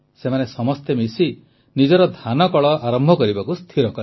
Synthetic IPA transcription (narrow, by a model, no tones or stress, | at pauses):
semanesɔmɔst̪emisi | nid͡ʒɔɾɔd̪ʱanɔkɔɭɔʔaɾɔmbʱɔkɔɾibakust̪ʰiɾɔkɔ